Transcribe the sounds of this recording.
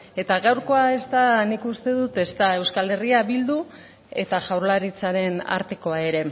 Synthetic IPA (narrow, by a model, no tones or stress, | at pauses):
e̞t̪aɣawɾko̞ae̞st̪anikust̪e̞ðut̪e̞st̪ae̞wskale̞riaβild̪u | e̞̰t̪aʝawɾlaɾit͡saɾe̞na̰ɾt̪e̞ko̞ae̞ɾe̞